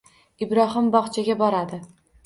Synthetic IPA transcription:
ɪbɾɒɦɨmbɒχt͡ʃʰaɡʲabɒɾad̪ɪ

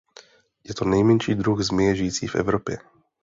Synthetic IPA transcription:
jɛt̪onɛjmɛnʃiːd̪ɾuɣzmɛʒɪjiːt͡sḭːvɛ̰vɾopjɛ

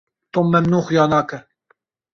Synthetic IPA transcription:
t̪omːɛmnuːxjɑːnɑːkɛ

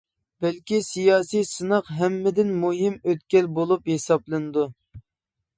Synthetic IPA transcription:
b̥ɛlkʲisijɑːsijsɨnɑqɦɛmːɪd̪ɪnmuɦimøt̪kʲɛlbolˠuphesɑplˠɨnɨd̪u

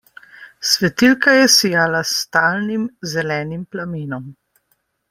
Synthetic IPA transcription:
sʋɛt̪ilkajɛsijaːlast̪aːlnimzɛlɛːnimplamiːnɔm

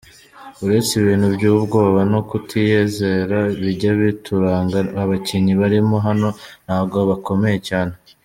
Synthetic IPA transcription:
uɾe̞t͡siβiːn̥hubɟuːbɡo̞ːβanokutʰije̞ːze̞ɾaβiɟaβitʰuɾaːŋɡaaβaciniβaɾimo̞ɦano̞n̥haːbɡoβako̞me̞je̞caːne̞

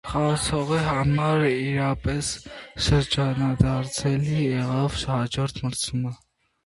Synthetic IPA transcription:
χɑt͡sʰɔʁiɦɑmɑɾiɾɑpɛsʃəɾd͡ʒɑnɑd̪ɑɾt͡sʰɛlijɛʁɑvʃhɑd͡ʒɔɾt̪ʰməɾt͡sʰumə

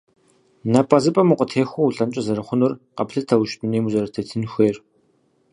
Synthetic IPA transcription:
nɐpʼɐzɨpʼɐmuqʷʼətʰeːxʷouɮɐmt͡ʃʼɐzɐɾɐχʷʊnʊrqɐpɬɨtʰɐwʃtʼuneːmuzɐɾɐtʰɐtʰɨnxʷeːr

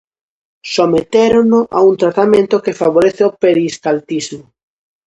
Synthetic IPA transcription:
somet̪eɾonoʔa̰unt̪ɾat̪amẽnt̪okefaβoɾeθeopeɾiskalt̪izmo

